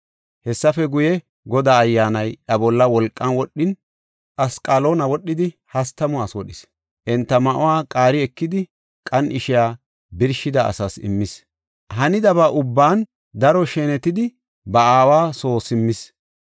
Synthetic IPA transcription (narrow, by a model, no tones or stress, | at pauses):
hɛsːɐfɛɡʊjɛ | ɡɔd̪aːjːaːnɐjʔɐbɔlːɐwɔlkʼːɐnwɔɗːɪn | ʔɐskʼaːloːnɐwɔɗːɪd̪ɪhɐst̪ːɐmʊaswɔɗɪs | ʔɛnt̪ːɐmɐʔɔwaːkʼaːɾɪɛkːɪd̪ɪ | kʼɐnʔɪʃɪjaː | bɪɾʃɪd̪ɐʔɐ̰sɐsɪ̰mːɪs | hɐnɪd̪ɐβaʔʊbːaːn | d̪ɐɾɔʃɛːnɛt̪ɪd̪ɪ | bɐaːwaːso̞ːsɪmːɪs